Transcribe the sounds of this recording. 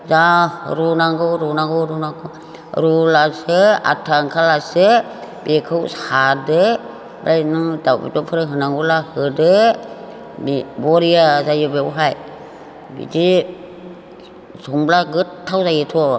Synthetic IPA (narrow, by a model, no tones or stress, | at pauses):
zaɾunaŋɡɯɾɔnaɡɯɾunakɔ | ɾulasɯa̰tʰaŋkʰalasɯ | bekʰɯwsadɯ | bɾʔajnɯdawbḭtɔpʰɯɾɯɦɯnaŋɡɔlahɯdɯ | bbɔɾijazajɯbeɦaj | bḭd͡ʒi | sɔŋblaɡɯtʰːawzajɯtʰɔ